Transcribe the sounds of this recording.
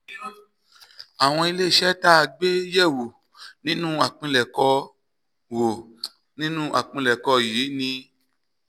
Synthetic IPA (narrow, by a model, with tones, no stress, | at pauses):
a˨w̃ɔ̃˧i˧le˦˨ʃɛ˦ta˦˧˨ɡ͡be˦jɛ˦˨wo˨ | nĩ˦nũ˦a˨k͡pĩ˧lɛ˨kɔ˧ | wo˨ | nĩ˦nũ˦ʔa˨k͡pĩ˧lɛ˨kɔ˧jeː˨˦nĩ˧